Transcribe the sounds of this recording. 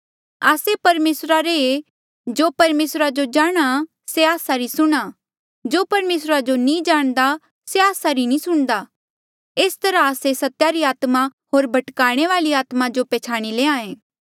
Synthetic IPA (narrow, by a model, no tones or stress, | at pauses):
aːsepɐɾmeːsɾaɾee | d͡ʒoːpɐɾmeːsɾad͡ʒod͡ʒaːɽ̃a | seaːsaɾisʊɽ̃a | d͡ʒoːpɐɾmeːsɾad͡ʒonĩd͡ʒaːɽ̃d̪a | seaːsaɾinĩsʊɽ̃d̪a | eːst̪ɐɾãaːsesɐt̪jaɾiaːt̪maɦoːɾbʱɐʈkaːɽ̃eʋaːliaːt̪mad͡ʒopɛːt͡ʃʰaːɽ̃ileːãːẽː